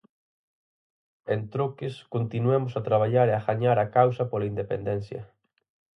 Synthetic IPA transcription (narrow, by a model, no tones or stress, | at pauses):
ent̪ɾokɪskont̪inuɛmʊsat̪ɾaβ̞aʎaɾeaɣaɲaɾakawsɐpolaind̪epḛnd̪ɛn̟θjɐ̰